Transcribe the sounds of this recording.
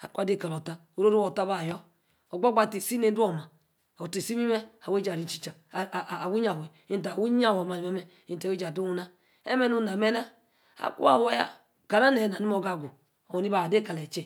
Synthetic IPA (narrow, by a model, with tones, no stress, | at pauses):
a̰˨kʷa˦de˦˨ka˨lo˨ta˦ | o˨ɾo˦ɾu˦wo˨ta˦ba˦˨jɔ˦ | o˨ɡ͡bo˦ɡ͡ba˦˨ti˨si˦ne˨n̩˦do˦˨ma˨ | o˨te˨si˦mi˦me˦a˨we˦d͡ʒa˨ɾi˦t͡ʃi̥˦t͡ʃa˨wu˦ɲa˨we˨ | i˦n˨t̬a˨wu˦ɲa˦wo˨ma˨me˦me˦ | i˦n˨ta˨we˦d͡ʒa˨du˦u˦na˦ | ḛ˦me˦nu˦˨na˨me˦na˦ | a̰˨kṵ˦a˨we˦ja̰˦ | ɡ̥a˨ɾa˦ne˨na˨ni˦mo˦ɡa˦˨ɡu˨ | o˨wo˨ni˦ba˨de˦ka˨le˨t͡ʃe˦